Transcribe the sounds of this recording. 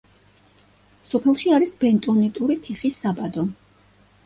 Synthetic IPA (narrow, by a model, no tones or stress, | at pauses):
sɔpʰɛlˠʃiaɾisbɛnt̪ʼɔnit̪ʼuɾit̪ʰiχisabad̪ɔ